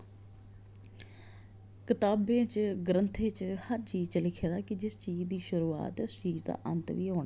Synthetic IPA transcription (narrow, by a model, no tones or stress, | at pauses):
kɪt̪aːbẽːt͡ʃɡɾənt̪ʰẽːt͡ʃhəɾt͡ʃiːzt͡ʃəlɪkʰeːd̪aːkɪd͡ʒɪst͡ʃiːd͡ʒd̪iːʃʊɾuːa̰ːt̪ʊst͡ʃiːzd̪a̰ːʔə̰nt̪ʋiːɦoːɳ